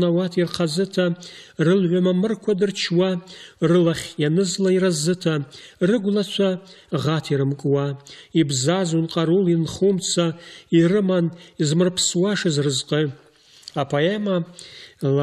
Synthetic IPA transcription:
nawatʰirqʰazɨtʰarɨlʕʷamamɨrkʷʰadɨrt͡ʃʰwarɨlaχʲjanɨzlaiɾazɨtʰarɨɡʷlat͡ʃʷʰaʁatʰiɾɨmkʼwaibzazunqʼaɾulinχumt͡sʰairɨmanizmɨrpʰswaʂɨzrɨzqʼɨ | apʰoema | l

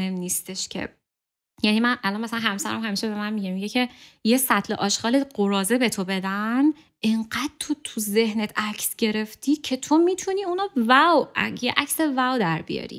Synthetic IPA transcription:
emniːst̪eʃcʰḛ | jænimænʔælɒnmæsælænɦæmsæɾæ̰mhæmiːʃebe̞mænmiɟemiɟecʰe̞je̞sæt̪ʰleʔɒːʃxɒːleɢoɾɒːzebe̞t̪ʰobe̞d̪æn | ʔeɴɢæd̪̥̚t̪ʰot̪ʰuze̞hnet̪ʰæcʰsɟe̞ɾe̞ft̪iːcʰe̞t̪ʰo̞miːt̪ʰuniːunɒvæwæ̰jeʔæcsevæwd̪æɾbḭjɒ̰ːɾḭ

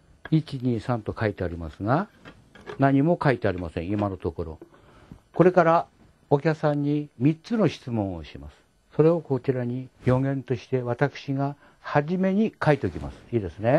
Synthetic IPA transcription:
it͡ɕiɲ̟isãnt̪o̞kait̪e̞aɾʲimasɨɡa | naɲ̟imo̞kait̪e̞aɾʲimasẽ̞ɰ̃imano̞t̪o̞ko̞ɾo̞̰ | ko̞ɾe̞kaɾa | okʲaksãɲ̟ːimʲit͡sɨno̞ɕi̥t͡sɨmõ̞ɰ̃oɕimasɨ̥ | so̞ɾe̞o̞ko̞t͡ɕiɾaɲ̟ijo̞ŋẽ̞nt̪o̞ɕi̥t̪e̞βat̪akɯ̟̥ɕiɡa | haʑime̞ɲ̟ikait̪e̞okʲima̰sɨ̥iːd̪e̞sɨne̞

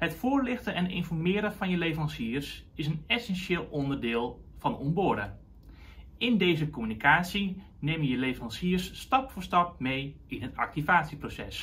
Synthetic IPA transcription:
hətfʊːərlɪxtəɛnɪnfɔrmɪːɾəvɑnjəleːfɑnsiːrsɪsənɛsɛnʃeːlˠʔɔndərdɪːlˠ | fɑnɔ̰nbʊəɾə̰ | ɪndeːzəkomynikʰaːtsi | neməjəlevɑnsiərsːtɑpforstɑp̚mej | ɪnɦətʰɑ̰k̚tivaːtsiprosɛ̰s

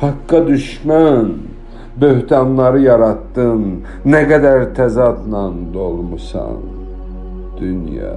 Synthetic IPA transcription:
hɑkːɑd̪yʃmæn | bøhd̪ɑnlˠɑɾɯjɑɾɑt̪ːɯnː | æɡæd̪æɾt̪ʰæzɑd̪nɑnd̪olˠmusɑ̰n | d̪̥ynjɑ̰

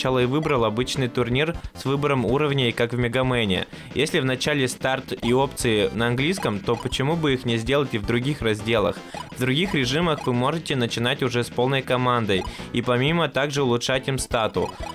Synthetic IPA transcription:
t͡ɕalˠəɪvɨbɾəlˠɐbɨt͡ɕnɨjt̪ʊrnʲirsvɨbəɾəmuɾəvnʲɪikakvmʲɪɡɐmɛnʲɪɪ̰ | jesʲlʲɪvnɐt͡ɕælʲɪst̪art̪io̞pt̪sɨɪnəɐnɡlʲijskəmt̪o̞pət͡ɕɪmubɨixnʲɪzʲdʲe̞lˠətʲɪvd̪ɾʊɡʲixrɐzʲdʲe̞lˠə̰xvd̪ɾʊɡʲixɾʲɪʐɨməxvɨmo̞ʐɨtʲɪnət͡ɕɪn̪atʲʊʐɛspo̞lˠnəjkɐmand̪əjipɐmʲimət̪aɡʐɨʊlˠʊtʂatʲimst̪at̪ʊ̰

